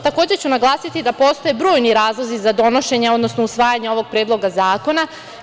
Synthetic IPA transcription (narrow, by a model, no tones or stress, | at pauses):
t̪ako̞ːd͡ʑe̞t͡ɕunaɡlˠaːsit̪id̪apo̞ːst̪o̞je̞bɾoːjniɾaːzlˠozizad̪o̞no̞ʃe̞ɲeo̞d̪nosnousʋaːjaɲeo̞ʋo̞ɡ̚pɾeːd̪lˠo̞ɡazaːko̞na